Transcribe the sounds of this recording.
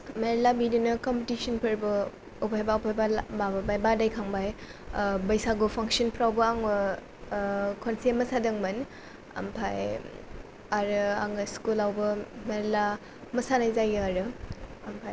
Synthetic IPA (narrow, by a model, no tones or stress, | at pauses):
meɾlabidinɯkɔmpetisənpʰɐɾbɐ | upʰajbaupʰajbabababajbadajkʰaŋbaj | bɐjsaɡupʰaŋsənpʰɾawbɐaŋbɐ | kʰonsemɐsadɯŋmɐn | ɐ̰mpʰaj | aɾɯa̰ŋɯskulawbɐmeɾela | mɐsanajzajɯaɾɯɐmpʰaj